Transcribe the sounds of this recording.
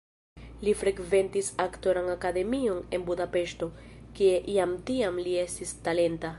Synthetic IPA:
lifɾe̞ɡve̞ntisakto̞ɾaŋakade̞mio̞ne̞nbudape̞ʃto̞kie̞ʔiamtiamlie̞stistale̞nta

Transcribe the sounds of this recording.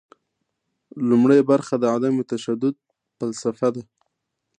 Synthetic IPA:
lumɽajbaɾxad̪əad̪amet̪aʃad̪ʊd̪̚ | falsafad̪a

